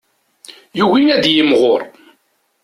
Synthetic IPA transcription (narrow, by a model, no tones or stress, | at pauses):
juwijæd̪jəmʁʊɾˤ